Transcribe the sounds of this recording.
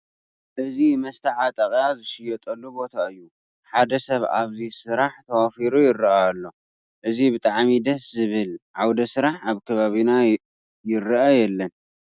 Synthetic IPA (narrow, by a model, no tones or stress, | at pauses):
ʔɨzimɐst̪ʰɐʕat̪ʼɐχʼjazɨʃɪjɛt̪ʼɐlːubo̞t̪ʰaɨjːu | ħad̪ɐsɐβa̰βzisɨɾaħt̪ʰɐwafiɾujɪrːɐaːlːo̞ | ʔɨzibɨt̪ʼaʕmid̪ɐszɨβɨlʕawd̪ɐsɨɾaħaβkʰɐβaβina | jɪrɐʔajɛlːɐn